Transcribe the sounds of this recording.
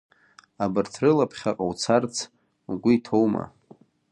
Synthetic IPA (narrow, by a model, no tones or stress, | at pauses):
abɨrtʰrɨlapʰχʲaqʼawt͡sʰart͡sʰ | ɡʷʊitʰowma̰